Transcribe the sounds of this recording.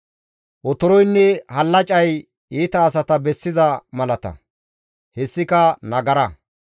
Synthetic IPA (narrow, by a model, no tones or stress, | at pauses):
ʔɔt̪ɔɾɔjnːɛhɐlːɐt͡ʃʼɐj | iːt̪ɐːs̬ɐt̪ɐbɛsːɪzɐmɐlɐt̪ɐ̰ | hɛsːɪkɐnɐɡɐɾɐ